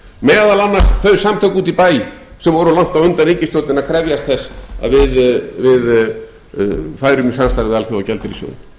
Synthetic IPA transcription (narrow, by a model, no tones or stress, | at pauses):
mɛːðalanːasθœɥsamt̪ʰœkuːt̪ipaːjsɛmvɔɾʏlaŋ̥t̪avʏnt̪aneɲcɪst̪owt̪nɪnaðkʰɾɛvjast̪θɛsːa̰ðvɪðvɪð | faːjɾʏmɪsanst̪aɾɪvɪðalθjowawcɛlt̪ɪɾḭsjo̰wɪ̰n